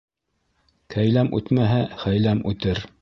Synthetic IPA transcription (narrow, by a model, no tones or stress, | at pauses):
kʰæjlæmʉ̰t̪mæɦæχæjlæmʉt̪ɘɾ